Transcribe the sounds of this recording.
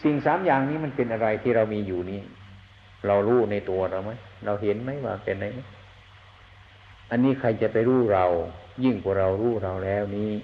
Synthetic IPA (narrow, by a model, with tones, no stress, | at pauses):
si˨˩ŋsaː˨˦mjaː˨˩ŋniː˦˥˨ma˧˥˨npe˧nʔa˧ɾa˧jt̪ʰiː˧˩ɾa˧wmiː˧juː˨˩niː˦˥˨ | ɾa˧wɾuː˦˥˩na˧˩jt̪u˧ɐɾa˧wma˦˥jɾa˧wɦe˨˦nma˦˥˩jwa̰ː˧˩pe˧˩na˧˩j | ʔa˧nːiː˦˥˨kʰa˧jt͡ɕa˨pa˧jɾuː˥˩ɾa˧wjɯ˧˩ŋkʰu˧˩ɾa˧wɾuː˥˩ɾa˧wlɛː˦˥˩wniː˦˥˩